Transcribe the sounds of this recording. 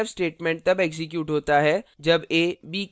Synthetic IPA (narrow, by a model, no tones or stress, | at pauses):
fsʈeːʈmẽɳʈ̚t̪ɐbeːɡzɪkjuːʈɦoːt̪aɦɛd͡ʒɐbeːbiː